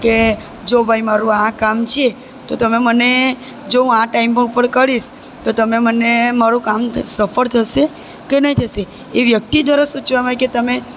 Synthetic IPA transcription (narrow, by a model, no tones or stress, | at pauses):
ke | d͡ʒobʱaimaɾũãkamt͡ʃʰie | t̪ot̪əmeməne | d͡ʒoũãʈaimpə̃pəɳkəɾiʃ | t̪ot̪əmemənemaɾũkamsəfəɾt̪ʰəʃe | kenəɦĩt̪ʰəʃe | eʋjək̚t̪id̪ʱʋaɾasut͡ʃʋaməɦeket̪əme